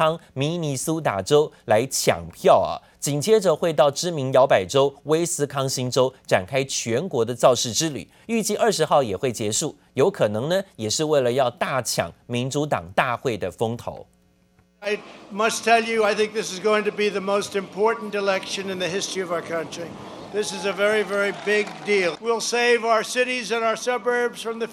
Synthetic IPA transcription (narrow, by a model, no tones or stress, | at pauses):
ŋminisut̪a̰ʈ͡ʂoʊlaɪt͡ɕʰjɑ̰ŋpʰjɑʊɐ̰ | t͡ɕiŋt͡ɕjɛʈ͡ʂəxweɪt̪ɑʊʈ͡ʂɻ̩miŋjɑʊpaɪʈ͡ʂoʊweɪsɹ̩kʰɑŋɕinʈ͡ʂoʊʈ͡ʂa̰nkʰaɪt͡ɕʰɥɛnkwɔd̪ət͡sɑʊʂɻ̩ʈ͡ʂɻ̩ly̰ | yt͡ɕiʔə˞ʂɻ̩xɑʊjɛxweɪt͡ɕjɛʂu | joʊkʰɤnɤŋnəjɛʂɻ̩weɪləjɑʊt̪at͡ɕʰjɑ̰ŋminʈ͡ʂut̪ɑ̰ŋt̪axweɪd̪əfoŋt̪ʰo̰ʊ | ɪmʌstʰɛlˠjɨaɪθɪ̃ŋk̚ðɪsɨzɡoʊɪ̃ŋtɨbiðɨmoʊstɨ̃mpʰɔɹʔn̩tɨlɛkʃɨ̃nɨ̃nðɨɦɪstɹ̥iʌvaʊə˞kʰʌ̃nt͡ʃɹ̥i | ðɪsɨzɨvɛɹivɛɹibɪɡ̚dilˠwilˠseɪvaʊə˞sɪɾizɨ̃ɾaʊə˞sʌbə˞bz̥fɹʌ̃mðɨ